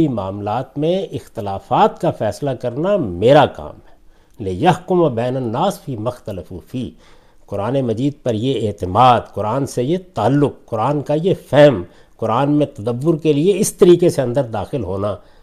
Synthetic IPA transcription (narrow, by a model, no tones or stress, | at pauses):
imaːmlaːt̪mẽɪxt̪ɪlaːfaːt̪kafɛːslakɐɾnameːɾaka̰ːmɦɛ | lɪjɐɦkʊmɐbɛːnənːaːsfiːmɐxt̪ələfufiː | kʊɾaːnemɐd͡ʒiːd̪̚pɐɾjeeːt̪ɪmaːd̪kʊɾaːnsejet̪aːəlːʊk̚ːʊɾaːnkajefɛɦm | kʊɾaːnmẽt̪ɐd̪ɐbːʊɾkelieɪst̪ɐɾiːkeseɐ̃nd̪əɾd̪aːxɪlɦoːnaː